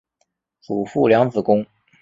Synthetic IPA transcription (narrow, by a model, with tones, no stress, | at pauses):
t͡su˨˩fu˥˩ljɑ˧˥ŋt͡sɹ̩˨˩kʊ˥ŋ